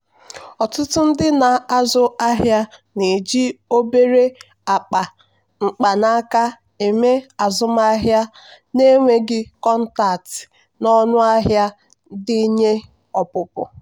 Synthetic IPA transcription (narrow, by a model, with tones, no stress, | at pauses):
ɔ˨tʊ˦tʊ˦n̩˦dɪ˦na˨a˦zʊ˦a˦ɦja˦ne˨d͡ʒi˦o˦be˦ɾe˦ | a˨k͡pa˨ | ŋ͡m̩˨k͡pa˨na˦ka˦ | e˨me˦a˨zʊ˦ma˦a˦ɦja˦ | ne˦ŋʷe˦ɡɪ˦kɔ˦n̩˦ta˨tɪ̥˨ | nɔ˦nʊ˦a˦ɦja˦ | dɪ˦ɲe˦ | ɔ˨pʊ˨pʊ̰˨